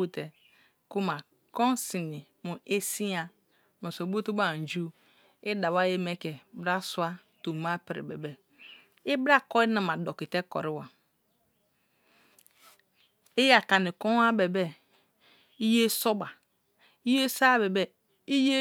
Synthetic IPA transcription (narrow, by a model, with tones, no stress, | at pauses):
o˦te˨ | ku˦ma˨ | ko˦n˦si˨ni˨mu˨ʔe˦si˦a˨ | me˨so˨bo˦tu˦ba˦˨n̩˨d͡ʒu˦ | i˦da˨wa˦je˦me˦ke˨˦ba˦su˦a˦ | tu˨ma˦pi˨ɾḭ˨bḛ˨be˨ | i˦bɾa˦kɔ˦i˦na˨ma˨do˨ki˨te˦ko̰˨ɾi˦wa˨ | e˦ja˨ka˨ni˨ko˦a˦be˨be˦ | i˦je˦so˦ba˨ | i˦je˦sa˦˨be˨be˦ | i˦je˦